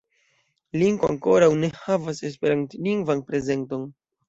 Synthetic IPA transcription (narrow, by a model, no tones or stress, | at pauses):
liŋɡoa̰ŋko̞ɾawne̞havase̞s̬pe̞ɾantliŋɡvanpɾe̞ze̞nto̞n